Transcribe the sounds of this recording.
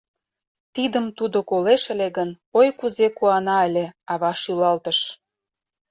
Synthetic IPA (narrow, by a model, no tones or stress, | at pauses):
t̪id̪əmt̪ud̪okoleʃə̆leɣən | ojkuzekuɑnɑəlʲeɑβɑʃylɑlt̪əʃ